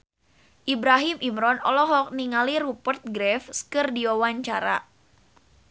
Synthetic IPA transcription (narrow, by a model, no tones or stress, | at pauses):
ʔibɾaɦimimɾɔnɔlɔɦɔk̚niŋalirupərt̪̚ɡɾɛfskɨrdiɔwaɲt͡ʃaɾa̰